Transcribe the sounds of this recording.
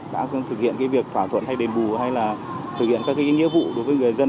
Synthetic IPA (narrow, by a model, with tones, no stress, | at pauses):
ɗa̰ː˧˥˧t̪ʰɨ˨˩k̚hḭ˧˨ənkaː˨˦jvi˨˩ək̚fʰwaː˧˩t̪ʰwə̰˧˨nha˧jɗe˨˩nɓu˨˩ha˧jlaː˨˩ | t̪ʰɨ˨˩k̚hḭ˧˨ənkaː˦˥kːaː˨˦kːaː˨˧˦ŋḭ˧˥w̚vṵ˧˨ɗo˨˦jvəː˨˦jŋɨ˨˩əjzə˧